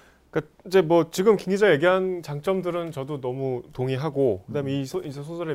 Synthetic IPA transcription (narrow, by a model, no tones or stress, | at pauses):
k͈a | id͡ʑe̞mwʌt͡ɕiɡɯmkiŋɡid͡ʑaje̞ɡiɦant͡ɕaŋt͡ɕ͈ʌmdɯɾɯnt͡ɕʌdonʌmutoŋɦiɦaɡokɯdaɦɯmeisʰiesʰosʰʌɾe